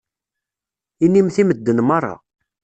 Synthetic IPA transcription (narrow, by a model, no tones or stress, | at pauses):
inːimθiməd̪ːənmɑrˤːɑ̰